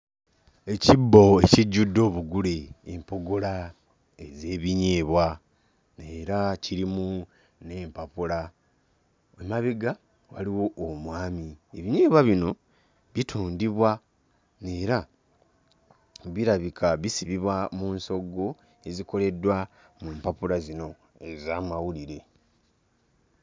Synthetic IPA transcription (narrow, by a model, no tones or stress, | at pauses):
e̞cibːo̞eciɟːudːo̞ːβuɡuleːmpo̞ɡola | eze̞ːβiɲeːβwa | neːɾaciɾimu | ne̞ːmpapula | emaβiɡa | wa̰liwo̞ʔːmwaːmie̞βiɲeːβwaβino̞ | βitʰuːndiβwa | ne̞ːɾa | βiɾaβikʰaβisiβiβwamuːnso̞ɡːo̞ | e̞ziko̞le̞dwa | muːmpapulazino̞ | e̞zaːmawuliɾe̞